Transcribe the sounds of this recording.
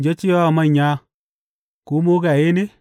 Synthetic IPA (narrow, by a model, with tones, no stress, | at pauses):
d͡ʒe˦t͡ʃi˦jɔ˦˨ma˦˨ɲa˦ | ku˨˦mo˦ka˨je˦ne˦